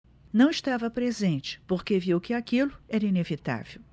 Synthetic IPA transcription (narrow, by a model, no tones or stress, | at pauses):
nɐ̃w̃iʃt̪avɐpɾezẽnt͡ʃɪ̥poɾkeviwkɪakilʊɛɾɐinevit̪a̰vew